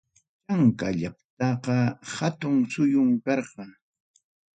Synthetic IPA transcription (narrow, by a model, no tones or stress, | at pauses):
t͡ʃaŋkaʎap̚t̪ɑqɑhat̪ʊŋsʊjʊŋkɑɾqɑŋ